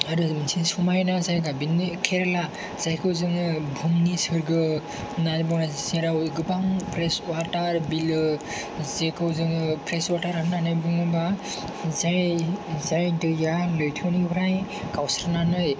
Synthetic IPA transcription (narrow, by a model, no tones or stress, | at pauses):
aɾɯmnsʰinsumajnazajɡabinɯkʰeɾela | z̥ajkʰɯwzɯŋɯbʱumnisɯɾɡɯ | nabɯnazisiɾawɡɯbaŋpʰɾeswataɾbilɯ | zekʰɯwzɯŋɯpʰɾeswataɾaknanɯjbɯŋɯba | zajzajdɯjalɯjtʰɯwnibʰɾaj | kawsɾnanɯj